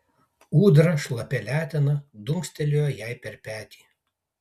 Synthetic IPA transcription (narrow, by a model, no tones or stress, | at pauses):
uːd̪ɾɐʃlˠɐpʲɛlʲæːt̪ʲɛnɐd̪ʊŋksʲt̪ʲɛlʲoːjɛjɛɪpʲɛɾpʲæːt̪ʲiː